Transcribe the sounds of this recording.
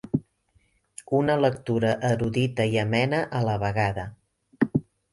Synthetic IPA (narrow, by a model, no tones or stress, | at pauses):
unələk̚t̪uɾəʔəɾuðit̪əiəmɛnəʔələβəɣaðə